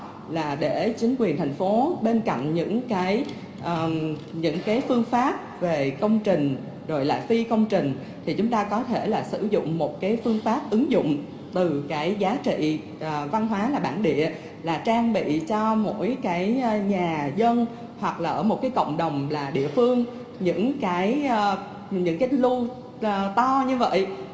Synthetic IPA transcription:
laː˨˩ɗe˧˩t͡ɕï˨˦ŋ̟kwi˨˩ənt̪ʰa˨˩jŋ̟fo˨˦ɓe˧nka̰˧˨jŋ̟ɲɨ̰˧˥ŋkaː˨˦j | ʔːɲɨ̰˧˥ŋkaː˨˦jfɨ˧əŋfaː˦˥p̚ve˨˩kə˧wŋ͡mt͡ɕï˨˩ŋ̟ | zo˨˩jla̰ː˨˩fi˧kə˧wŋ͡mt͡ɕï˨˩ŋ̟ | t̪ʰi˨˩t͡ɕʊ˨˦ŋ͡mt̪aː˧kɔ˨˦t̪ʰe˧˩laː˨˩sɨ̰˧˩zʊ̰˧˨ŋ͡mmo˨˩t̚kaː˨˦jfɨ˧əŋfaː˦˥p̚ʔɨ˨˦ŋzʊ̰˧˨ŋ͡m | t̪ɨ˨˩kaː˨˦jzaː˨˦t͡ɕḭ˧˨ | ʔva˧nɦwaː˨˦laː˨˩ɓaː˧˩nɗḭ˧˨ə | laː˨˩t͡ɕaː˧ŋɓḭ˧˨t͡ɕɔ˧mo̰˧˥jkaː˨˦jɲaː˨˩zə˧n | hwa˨˩k̚laː˨˩ʔəː˧˩mo˨˩t̚kaː˨˦jkə̰˧˨wŋ͡mɗə˨˩wŋ͡mlaː˨˩ɗḭ˧˨əfɨ˧əŋ | ɲɨ̰˧˥ŋkaː˨˦j | ɲɨ̰˧˥ŋkaː˨˦jlu˧˨˩ | t̪ɔ˧ɲɨ˧və̰˧˨jʔ

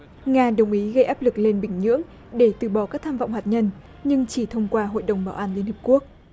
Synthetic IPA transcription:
ŋaː˧ɗə˨˩wŋ͡mʔi˨˦ɣə˧jʔaː˦˥p̚lɨ˨˩k̚le˧nɓï˧˩ŋ̟ɲɨ̰˧˥əŋ | ɗe˧˩t̪ɨ˧˩ɓɔ˧˩kaː˦˥k̚t̪ʰaː˧mva̰˧˨wŋ͡mhaː˨˩t̚ɲə˧n | ɲɨ˧ŋt͡ɕi˧˩t̪ʰə˧wŋ͡mkwaː˧ɦo̰˧˨jɗə˨˩wŋ͡mɓaː˧˩wʔaː˧˩nli˧ənhi˨˩p̚ku˦˥ək̚

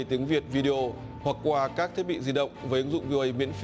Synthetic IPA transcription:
jt̪i˨˦əŋvi˨˩ət̚vi˧ɗe˧ʔo˧˩ | hwa˨˩kːwaː˧kaː˦˥k̚t̪ʰi˦˥t̚ɓḭ˧˨zi˧˩ɗə̰˧˨wŋ͡mvəː˨˦jʔɨ˨˦ŋzʊ̰˧˨ŋ͡mvi˧ʔə˧˩jmḭ˧˥ənf

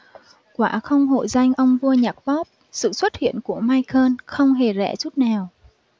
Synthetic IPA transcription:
kwaː˧˩˥xə˧wŋ͡mɦo̰˧˨jza˧jŋ̟ʔə˧wŋ͡mvu˧əɲaː˨˩k̚ɓɔ˦˥p̚ | sɨ̰˧˨swə˦˥t̚hḭ˧˨ənku˧˩əmaː˧jkʰəː˧nxə˧wŋ͡mɦe˨˩zɛ̰˧˥t͡ɕu˦˥t̚naː˨˩w

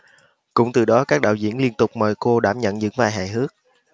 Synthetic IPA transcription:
kʊ̰˧˥wŋ͡mt̪ɨ˨˩ɗɔ˨˦kaː˦˥k̚ɗaː˧˨wzḭ˧˩ənli˧ənt̪ʊ˨˩k͡p̚mɔ̰˧˨jko˧ɗa̰ː˧˩mɲə̰˧˨nzɨ̰˧˥ŋvaː˧jɦa̰ː˧˨jɦɨ˦˥ək̚

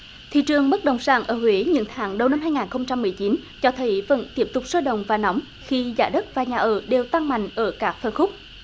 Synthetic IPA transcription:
t̪ʰḭ˧˨t͡ɕɨ˨˩əŋɓə˦˥t̚ɗə̰˧˨wŋ͡msaː˧˩ŋʔəː˧˩hwe˨˦ɲɨ̰˧˥ŋt̪ʰaː˨˦ŋɗə˨˩wna˧mɦaː˧jŋaː˨˩nxə˧wŋ͡mt͡ɕa˧mːɨ˨˩əjt͡ɕi˨˦nt͡ɕɔ˧t̪ʰə˨˦jvə̰˧˥nt̪i˦˥əp̚t̪ʊ˨˩k͡p̚səː˧jɗə̰˧˨wŋ͡mvaː˨˩nɔ˨˦wŋ͡m | xi˧zaː˧˩ɗə˦˥t̚vaː˨˩ɲaː˨˩ʔəː˧˩ɗe˨˩wt̪a˧ŋma̰˧˨jŋ̟ʔəː˧˩kaː˦˥k̚fə˧˩nxʊ˦˥k͡p̚

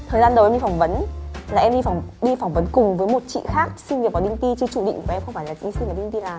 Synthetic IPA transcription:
t̪ʰəː˨˩jzaː˧nɗə˨˩wʔɛ˧mɗi˧˩fa˧˩ŋ͡mvə˨˦nlaː˨˩ʔɛ˧mɗi˧fŋ͡mɗi˧fa˧˩wŋ͡mvə˨˦nkʊ˨˩ŋ͡mvəː˨˦jmo˨˩t̚t͡ɕḭ˧˨xaː˦˥k̚sï˧nvi˨˩əkɔ˨˩˦ɗï˧ŋt̪i˧t͡ɕɨ˧t͡ɕu˧˩ɗḭ˧˨ŋkːʔɛ˧mxə˧ŋ͡mfaː˧˩jla˨˩˧i˧si˧va˨˩ɗï˧ŋ̟t̪i˧laː˨˩

